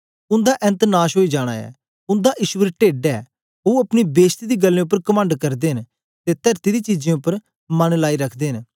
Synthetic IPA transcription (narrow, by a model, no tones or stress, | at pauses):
ʊ̃nd̪aːʔɛ̃nt̪naːʃɦoːid͡ʒaːɽ̃a̰ːɛ̰ː | ʊ̃nd̪aʔɪʃwəɾʈeːɖɛː | oɐpnibeːst̪id̪iːɡəlːẽːʊp̬ːəɾkəmə̃ɳɖkɐɾd̪eːən | t̪et̪əɾt̪iɾiːt͡ʃid͡ʒẽːʊpːəɾ | mɐnlaːiɾəkʰd̪eːɦən